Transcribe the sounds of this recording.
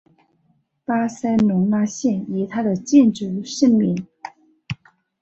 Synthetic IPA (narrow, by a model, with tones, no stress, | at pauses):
pa˥sa˥nʊ˧˥ŋna˥ɕjɛ˥˩ni˨˩t̪ʰa˥d̪ə˨t͡ɕjɛ˥˧nʈ͡ʂɻ̩˥˩ʂə˥nmi˧˥˦n